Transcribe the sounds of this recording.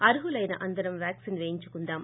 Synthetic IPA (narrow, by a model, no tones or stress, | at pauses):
ɐɾɯɦɯlɐjnɐ̰ʔɐnd̪ɐɾɐmʋaːksinʋeːɲd͡ʒɯkːʊnd̪aːm